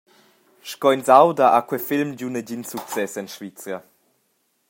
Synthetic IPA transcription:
ʃkɔjnzawdaʔakwɛfilmd͡ʑunəɟinsuk̚t͡sɛsɛnʃvit͡sja

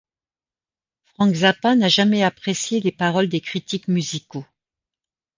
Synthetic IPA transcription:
fχɑ̃kzapãnaʒamɛapχesjelepaʁɔld̪ekχit̪ikmyziko

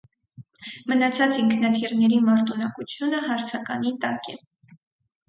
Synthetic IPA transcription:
mənɑt͡sʰɑt͡siŋkʰnɑt̪ʰiɾnɛɾimɑɾt̪unɑkut͡sʰjunəɦɑɾt͡sʰɑkɑnit̪ɑkɛ

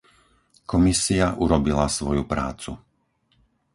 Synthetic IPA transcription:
kɔmisiaʔuɾɔbilasʋɔjupɾa̰ːt͡sṵ

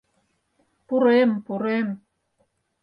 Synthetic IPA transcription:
puɾempuɾem

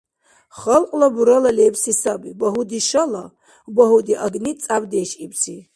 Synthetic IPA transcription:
χɐlqʼlabuɾɐlɐlebsisabibɐɦud̪iʃɐla | bɐɦud̪iʔaɡnit͡sʼabd̪eʃibsi

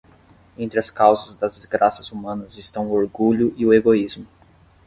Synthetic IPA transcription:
ẽnt̪ɾɪɐskawzɐzd̪ɐzd̪ɪzɡɾasɐzumɐ̃nɐzɪst̪ɐ̃w̃ʊoɾɡuʎʊʔiʊeɡoizmʊ

